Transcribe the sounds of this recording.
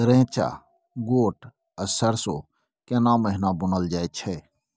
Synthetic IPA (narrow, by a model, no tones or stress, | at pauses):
ɾẽːt͡ʃa̰ | ɡoːʈ | ɐsəɾso | kenãːməɦnabʊnəld͡ʒaːet͡ʃʰeː